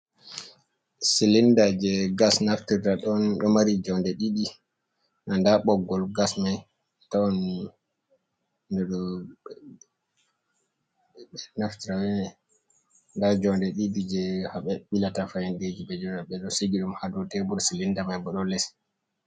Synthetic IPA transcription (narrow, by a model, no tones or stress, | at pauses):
silindad͡ʒɛɡasnaftiɾaɗɔnɗɔmaɾid͡ʒɔndɛɗiɗi | nandaɓɔɡːɔlɡasmaj | tawɔn | ndɛɗɔ | naftiɾawɛnɛ | ndad͡ʒɔndɛɗidid͡ʒɛhaɓɛɓilatafajɛnded͡ʒiɓɛd͡ʒɔnaɓɛɗɔseɡiɗumhadutɛbuɾsilindamajbɔɗɔlɛs